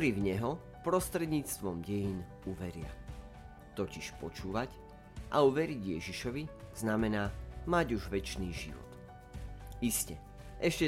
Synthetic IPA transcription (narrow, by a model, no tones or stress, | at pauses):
ɾivɲɛɦɔ | pɾɔst̪ɾɛd̪ɲiːt͡st̪ʋɔmɟɛjin | uʋɛɾɪa̰ | t̪ɔciʃpɔt͡ʃuːʋac | ʔa̰uʋɛɾiɟjɛʒiʃɔʋiz̥namɛnaːmaɟuʒʋɛt͡ʃniːʒḭʋɔ̰t̪ | iscɛ | ʔɛʃcɛ